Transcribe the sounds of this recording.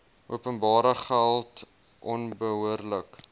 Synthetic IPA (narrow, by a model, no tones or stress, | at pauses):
ʔuəpənbɑːɾəχælˠt | ʔɔnbəɦuərlək